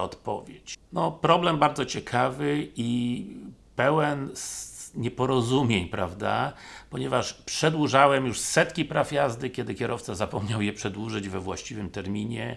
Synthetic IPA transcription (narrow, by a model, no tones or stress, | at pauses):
ɔt̪pɔ̰vʲjet͡ɕnɔpɾɔblɛmbaɾd̪zɔt͡ɕɛkʰavɘi | pɛwɛnsɲɛpɔɾɔzumʲjeɲpɾavd̪apɔɲɛvaʂpʂɛd̪wuʐawɛmjuʂsɛt̪kʲipɾafjazd̪ɘkʲjɛd̪ɘkʲjɛɾʔɔft̪sazapɔmɲawjɛpʂɛd̪wuʐɘd͡ʑvɛvwaɕt͡ɕivɘmt̪ɛɾmʲiɲɛ